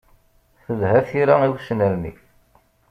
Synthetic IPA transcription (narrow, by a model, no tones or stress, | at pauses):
θəðhæθiɾaiwsnəɾnḭ